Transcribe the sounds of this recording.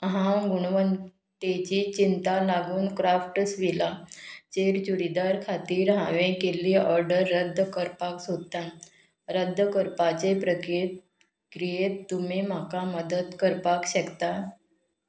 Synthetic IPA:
ɦãɡuɳ̃ʋən | t̪et͡ɕit͡ɕint̪alaɡuːnkɾafʈəsʋilat͡ɕeɾt͡ɕuɽid̪aɾkʰat̪iːɾɦãʋẽkeliːɔɾɖəɾːəd̪ʱːəkəɾpaksod̪̚t̪ːa | ɾəd̪ʱːəkəɾpat͡ɕepɾəkɾe | kɾijet̪ːum̤im̤akaməd̪ət̪kəɾpakɕəkt̪a

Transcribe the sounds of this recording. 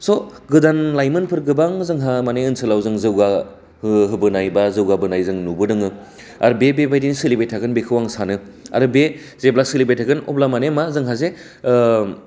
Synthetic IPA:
sɔɡɯdanlajmɯnpʰɯɾɡɯbaŋzɯŋɦamaneɯnsɯlawzɯŋzɯwɡa | hɯɦɯbɯnajbazɯwɡabɯnajzɯŋnubɯdɯŋɯ | a̰ɾɯbebebajdinsilibejtʰaɡɯnbekʰɯwaŋsanɯ | a̰ɾɯbe | zeblasilibejtʰaɡɯnɔ̰plamanemazɯŋɦaze

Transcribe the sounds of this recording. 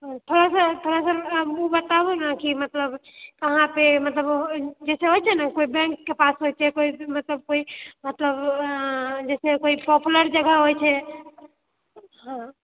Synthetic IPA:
t̪ʰoɾasət̪ʰoɾasə̃bubət̪abunəkimət̪ləbkəɦãpemət̪ləbd͡ʒɛseɦojt͡ʃʰɛnəkoibɛ̃ŋkːepasɦojt͡ʃʰɛkoimət̪ləb̚koimət̪ləb | d͡ʒɛsekoipɔpʰləɾd͡ʒəɡʱəɦojt͡ʃʰɛ | ɦã

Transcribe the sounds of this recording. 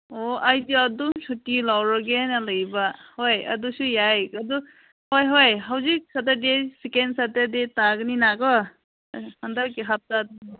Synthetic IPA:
oʔajdiɔd̪ɔmsʰutilawɾɔɡenalɯjbahojʌ̰d̪usujajad̪u | hojɦojɦawzik̚sat̪adesikensat̪edetaɡninakɔ | hand̪aɾkeɦap̚tad̪

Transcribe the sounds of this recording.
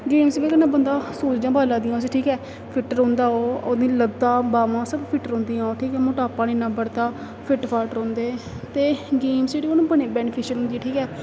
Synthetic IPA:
ɡeːmsbeːkənãːbənd̪aːsuːd͡ʒd͡ʒãːbʱaːlãːd̪ijãːoːseːʈʰiːkɛː | pʰɪʈəɾɦõːnd̪aːoːoːd̪ĩːləd̪ãːbaːʋãːsəbpʰɪʈəɾɦõːnd̪iːãːoːʈʰiːkɛːmʊʈaːpãːnenãːbəɽt̪aː | pʰɪʈpʰaːlʈɾõːnd̪eː | t̪eːɡeːmsd͡ʒeːɽiːoːnũːbəneːbɛːnɪpʰɪʃənɦʊ̃nd̪iʈʰiːkɛː

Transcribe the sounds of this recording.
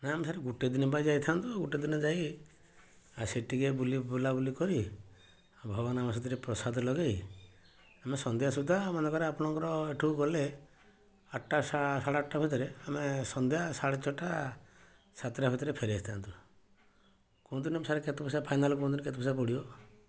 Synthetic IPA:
naamesaɾeɡuʈed̪inibad͡ʒajt̪ʰant̪uɡuʈed̪inɔd͡ʒaj | aseʈiɡebulibulabulikɔɾi | bʱɔbɔnamas̬ɔd̪iɾepɾɔsad̪lɔɡej | amesɔnd̪jasud̪ʱːaːmand̪ɔkɔɾeapɔɽ̃ɔŋkɔɾɔeʈʰuɡɔle | aʈːasasaɽaʈːabʱit̪ɔɾeamesɔnd̪jasaɽet͡ʃɔʈa | sat̪ɾabʱit̪ɔɾepʰeɾiast̪ʰant̪u | kɔw̃d̪inɔmsaɾeket̪ɔpʰɔsapʰajnalɔk̬ɔw̃d̪iniket̪ɔpʰɔsapɔɽiɔ

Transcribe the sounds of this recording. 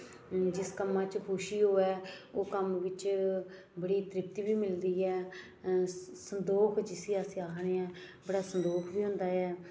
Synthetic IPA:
d͡ʒɪskəmãːt͡ʃkʰoʃiːɦoːɛːoːkəmʋɪt͡ʃ | bəɽiːt̪ɾɪp̚t̪iːbiːmɪld̪iːɛː | sənd̪oːkʰd͡ʒɪsiːaːsiːaːkʰɽeɛːbəɽaːsənd̪oːkʰbiːɦʊ̃ːnd̪aːɛː

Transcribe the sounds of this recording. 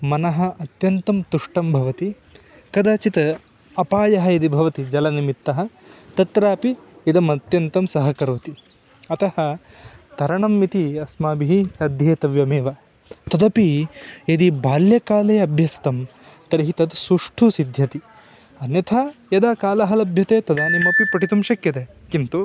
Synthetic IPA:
mɐnɐɦɐ̆ɐt̪jɐnt̪ɐmt̪uʂʈɐmbʱɐʋɐt̪i | kɐd̪aːt͡ʃit̪ɐ | ɐpaːjɐɦɐjɐd̪ibʱɐʋɐt̪id͡ʒɐlɐnimit̪ːɐɦɐ̆t̪ɐt̪ɾaːpiid̪ɐmɐt̪jɐnt̪ɐmsɐɦɐkɐɾʋɐt̪i | ɐt̪ɐhɐ | t̪ɐɾɐɳɐmːit̪iɐsmaːbiɦiɐd̪ʱjeːt̪ɐʋjɐmeːʋɐ | t̪ɐd̪ɐpied̪ibaːljɐkaːleːɐbʱjɐst̪ɐm | t̪ɐɾiɦit̪ɐd̪suʂʈʰusid̪ʱjɐt̪i | ɐnjɐt̪ʰajɐd̪aːkaːlɐɦɐlɐbʱjɐt̪eːt̪ɐd̪aːnimɐpipɐʈit̪umʃɐkjɐt̪eːkint̪u

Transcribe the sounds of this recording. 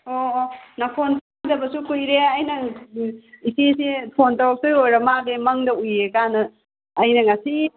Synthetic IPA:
onapʰonpʰaŋdɐbɐsukujɾeɐjnɐ | isʰisipʰontawk̚sɯjojɾɐmaɡemɐŋdɐujekanɐː | jnɐŋasi

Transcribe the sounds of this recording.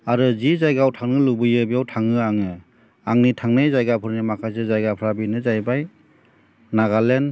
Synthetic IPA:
aɾɯzizajɡawtʰaŋnɯlubɯjɯbijawtʰaŋɯaŋɯ | aŋnitʰaŋnɯzajɡapʰɯɾnimakʰajs̬ɯzajɡapʰɾabinɯzajbaj | naɡalen

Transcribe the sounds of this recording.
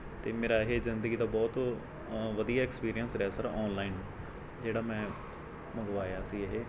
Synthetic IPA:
t̪eːmeːɾaːɦeːzɪnd̪əɡiːd̪aːbɔːt̪ | ʋəd̪ijaːekspiːɾijənsɾɛːsəɾaɔːnlaːiːn | d͡ʒeːɽaːmɛ̃ː | məɡʋaːjaːsiːəɦeː

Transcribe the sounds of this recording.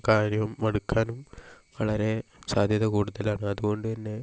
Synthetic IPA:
kaːɾjɐʋɐmːɐɽukʰːaːnum | ʋɐɭɐɾe̞saːd̪ʱjɐðɐkuːɽuðɐlaːɳɨɐðuɣo̞ɳɖɨɐnːe̞

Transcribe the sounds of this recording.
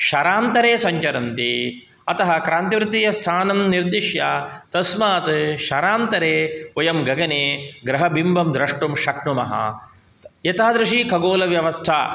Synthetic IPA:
ʃɐɾaːnt̪ɐɾeːsɐɲt͡ʃɐɾɐnt̪i | ɐt̪ɐɦɐkɾaːnt̪iʋɾut̪ijɐst̪ʰaːnɐmniɾd̪iʃjat̪ɐsmaːt̪ʃɐɾaːnt̪ɐɾeːojɐmɡɐɡɐneːɡɾɐɦɐbʱimbʱɐmd̪ɾɐʂʈumʃɐkɳumɐ̰ɦɐ̰ | jɐt̪aːd̪ɾuʂikʰɐɡoːlɐʋjɐʋɐst̪ʰa̰ː

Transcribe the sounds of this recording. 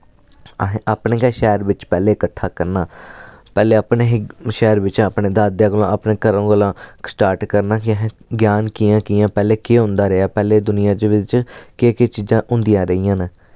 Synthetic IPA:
ɦaːpnẽːkaʃɛːɾʋɪt͡ʃpɛːleːɪkəʈʰːaːkəɾnaːpɛːleːaːpneːɦʃɛːɾʋɪt͡ʃaːpneːd̪aːd̪jãːɡəlõːapnẽːkəɾõːɡəlãːsʈaːɾʈkəɾnaːkɪɦ | ɡjaːnkiːãːkiːãːpɛːleːkeːɦʊ̃nd̪aːɾeaːpɛːleːd̪ʊnɪjãːd͡ʒeʋɪt͡ʃkeːket͡ʃiːzãːɦʊ̃nd̪ijãːɾəiːãːneː

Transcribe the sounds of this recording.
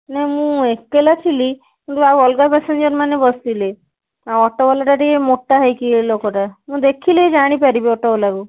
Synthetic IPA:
nɛɦimũekːelat̪ʰili | kint̪uawɔlɡapɛsend͡ʒɔɾmanebɔst̪ile | aɔʈɔbɔlaʈaʈiemoʈːaɦajkilokɔʈamũd̪ekʰiled͡ʒaɽ̃ipaɾibiɔʈɔbɔlaɡu

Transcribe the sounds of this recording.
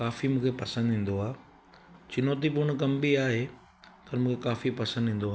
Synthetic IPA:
kaːfimũːkʰepɐsə̃nd̪ɦĩːn̆d̪oaː | t͡ɕɪnoːt̪̬ipoːɽ̃kɐmbiaːɦeː | pɐɾmũːkʰekaːfipɐsə̃nd̪ɦĩːn̆d̪oaː

